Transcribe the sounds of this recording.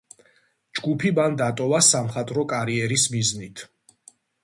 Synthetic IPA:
d͡ʒɡupʰiband̪at̪ʼɔvasamχat̪ʼɾɔkʼaɾiɛɾismiznit̪ʰ

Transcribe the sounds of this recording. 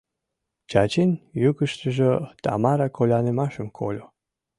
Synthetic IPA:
t͡ɕɑt͡ɕenjuɡəʃt̪əʒət̪ɑ̰mɑɾɑkʰolʲɑnemɑʃəmkʰo̰lʲo

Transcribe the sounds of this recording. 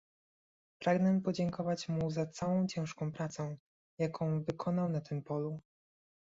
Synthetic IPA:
pɾaɡnɛpɔd͡ʑɛŋkɔvat͡ɕmuzat̪sawɔ̃w̃t͡ɕɛ̃w̃ʂkɔ̃w̃pɾat̪sɔ̃w̃ | jakʰɔ̃w̃vɘkʰɔnawnat̪ɘmpɔlu

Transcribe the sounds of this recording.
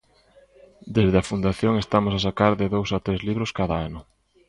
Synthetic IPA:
d̪ezðeɐfund̪aθjoŋest̪amʊsas̬akaɾðeðowsat̪ɾezliβɾʊskaðaanʊ

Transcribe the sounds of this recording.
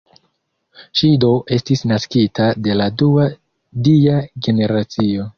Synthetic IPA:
ʃido̞ʔe̞stisnaskitʰade̞ladua | diaɡe̞ne̞ɾat͡sio̞

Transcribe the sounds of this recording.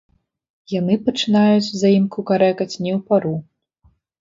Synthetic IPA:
jan̪ɨpɐt͡ʂɨnajut͡sʲzajimkukaɾɛkɐt͡sʲnʲɛwpaɾu

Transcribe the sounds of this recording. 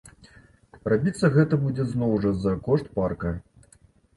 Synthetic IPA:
rabʲit̪sːɐɣɛt̪ɐbud͡zʲɛznɔwʐɐzɐkɔʂt̪parkɐ

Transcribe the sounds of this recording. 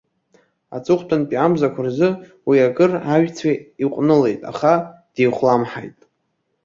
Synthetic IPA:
a̰t͡sʼʊχʷtʰʼanpʼiamzakʷʰarzɨ | wiaɡɨraʒʲᶣt͡sʰaiqʷʼnɨle̞jtʼa̰χad̥ejχʷlamħa̰jtʼ

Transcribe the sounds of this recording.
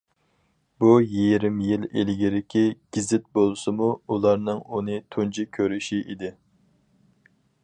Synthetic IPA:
bujiɾɪmjilḛlɡʲiɾɪkʲʰiɡ̥ʲizɪt̪̚bolˠɨsɨmuulˠɑɾnɨŋunɨt̪ʰund͡ʒikʲʰøɾyʃiʔid̪ɪ

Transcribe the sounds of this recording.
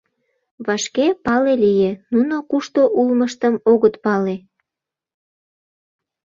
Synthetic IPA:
βɑʃkepɑlelijenunokuʃt̪oʔulməʃt̪əmoɣət̪pɑle

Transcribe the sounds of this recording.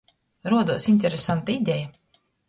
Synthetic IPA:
ɾuɔd̪uɔsinʲt̪ʲɛɾesant̪aid̪ʲɛja

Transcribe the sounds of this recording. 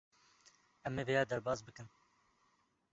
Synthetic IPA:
ɛmːeːveːjɑːd̪ɛɾbɑːzbɨkɨn

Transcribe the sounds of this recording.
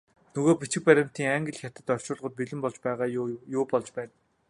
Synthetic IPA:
nɵɣoːpit͡ɕɪ̆k̚pæɾʲɪ̆m̥t̪iːŋaŋɡə̆ɮ̆xʲjat̪ə̆t̪œr̥t͡ɕʊːɮʁə̆t̪̚piɮɘ̆mpɔɮt͡ɕpæːʁaːjʊːpɔɮt͡ɕpæːn

